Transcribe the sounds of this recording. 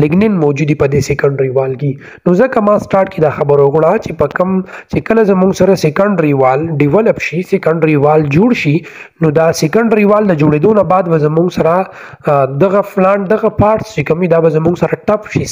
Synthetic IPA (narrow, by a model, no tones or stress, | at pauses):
lɪɡnɪnmɔwd͡ʒud̪ipəd̪esekaɳɖɾiwɑlki | nozəkamɑsʈɑːɾʈked̪axabəɾokɽat͡ʃepəkəmt͡ʃekəlazamuŋɡsaɾasekəɳɖɾiwɑlɖiwɛlapʃisekəɳɖɾiwɑld͡ʒoɽʃi | nod̪asekəɳɖɾiwɑld̪əd͡ʒoɽed̪onabɑd̪bazamuŋɡsaɾa | d̪aɣaflaɳʈd̪aɣapɑɾʈst͡ʃekəmwid̪abazəmuŋɡsaɾaʈapʃi